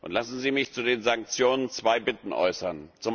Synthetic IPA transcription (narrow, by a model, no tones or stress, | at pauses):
ʔʊ̰ntlasn̩ziːmɪçt͡sudeːnzaŋk̚t͡sjoːnənt͡sv̥aɪbɪtn̩ʔɔ̰ʏsɐnt͡sʊm